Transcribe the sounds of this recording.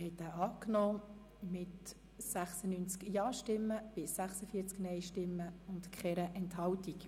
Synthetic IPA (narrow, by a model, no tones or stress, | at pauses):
hɛtæːʔɑːknɔː | mɪt | sæχsənyːnt͡skjɑːʃtɪmːəb̥ɪsːæχsəfiəɾt͡sknɛjʃtɪmːəʊntkχɛɾəʔɛnthɑltik